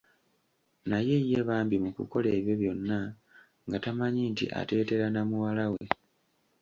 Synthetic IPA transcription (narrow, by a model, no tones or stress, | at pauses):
naje̞je̞βaːmbimukṵko̞le̞ːβjo̞βjo̞nːa | ŋɡatamaɲiːntḭʔa̰te̞ːte̞ɾanamuwalawe̞